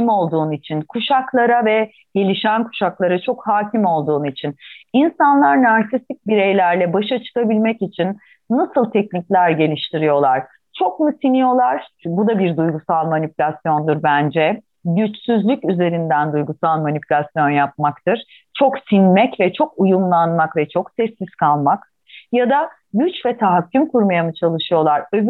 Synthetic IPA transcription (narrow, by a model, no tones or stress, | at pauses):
mo̞lˠd̪uːnit͡ʃʰinkʰuʃaklˠaɾavɛ | ɟ̥e̞lʲiʃænkʰu̥ʃaklˠaɾat͡ʃʰo̞khaːcʰimo̞lˠd̪uːnit͡ʃʰininsanlˠaɾnaɾsisic̚biɾejlʲæɾlʲɛbaʃat͡ʃʰɯ̥kabilʲmɛcit͡ʃʰinː | asɯlˠt̪ʰɛc̚nicʲlʲæɾɟe̞lʲiʃt̪ʰiɾijo̞lˠaɾ̥ | t͡ʃʰo̞kmusinijo̞lˠaɾ̥bud̪abiɾd̪ujɡusalˠmanipʰylʲasjo̞nd̪ɯɾbænd͡ʒɛ | ɟyt͡ʃsyzlʲycyze̞ɾind̪ænd̪ujɡusalˠmanipʰylʲasjo̞njap̚makt̪ʰɯɾ̥ | t͡ʃʰo̞ksinmɛcvɛt͡ʃʰo̞kujumlˠanmakvɛt͡ʃʰo̞ksɛsiskʰalˠmak | jad̪a | ɟyt͡ʃvɛt̪ʰaɦacʲːymkʰuɾmajamɯt͡ʃʰalˠɯʃɯjo̞lˠaɾøv